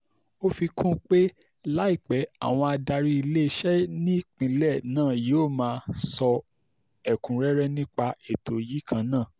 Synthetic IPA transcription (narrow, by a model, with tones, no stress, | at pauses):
o˦fi˧kũ˦k͡pe˦ | la˦i˦˨k͡pɛ˨˦a̰˦˨w̃ɔ̃˧a˧da˧ɾi˦i˧le˦˧˦ʃɛ˦nĩ˦k͡pĩ˨˦lɛ˦˨nãː˦˨je˨˦˨mãː˧˦sɔ˧ | ɛ˨kũ˨ɾɛ˦ɾɛ˦nĩ˦k͡pa˧e˨to˨ji˨˦kʰã˧nãː˦˨